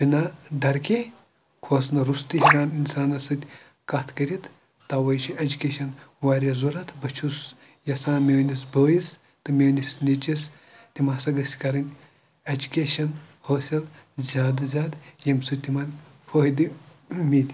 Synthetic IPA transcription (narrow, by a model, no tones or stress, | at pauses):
binaɖɐɾkʲe | kʰoːsnɐɾust̪ɨɦiɾaːninsaːnɐsɨt̪ʲ | kɐt̪ʰkɐɾʲit̪ʰ | t̪aːwɐjt͡ʃʰiɐd͡ʒukʲeːʃɐnwaːɾʲɐzuɾɐt̪ʰbɐt͡ʃʰus | jɐsaːmʲeːwnʲisbəːis | t̪ɨmʲeːnʲisnit͡ʃis | t̪imaːsɐɡɐsʲkɐɾɐnʲ | ɐd͡ʒukʲeːʃɐnhoːsʲɐlzʲaːd̪ɐzʲaːd̪jɐmsut̪imanʲ | foːɦd̪ɨ | mʲiːt̪ʲ